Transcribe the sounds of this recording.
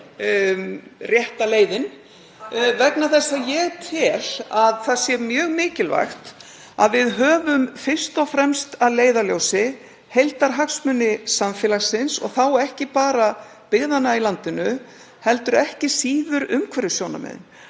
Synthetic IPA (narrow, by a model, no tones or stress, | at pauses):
rjɛht̪aleːjðɪn | vɛknaθɛsːajɛt̪ʰɪlaðθaðsjɛɾmjœːɣmɪːcɪlva̰jxt̪ | a̰ðvɪðɦœːvʏmfɪr̥st̪ɔfɾɛmst̪aðleːjðaljowsɪ | hejlt̪aɾ̥ɦaksmʏnːɪsaɱfɛːlasɪnsɔ̰ɣθawɛhcɪpaːɾa | pɪɣðanailant̪ɪnʏ | hɛlt̪ʏɾɛhcɪsiːðʏɾʏmkʰvɛɾʏ̥sjoːwna̰mɛ̰ðɪ̰n